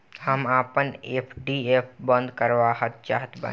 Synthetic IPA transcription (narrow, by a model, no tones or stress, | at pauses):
həmaːpəneːpʰɖiepʰbə̃nd̪kəɾʋaːɦət̪̚t͡ʃa̰ːɦt̪ba̰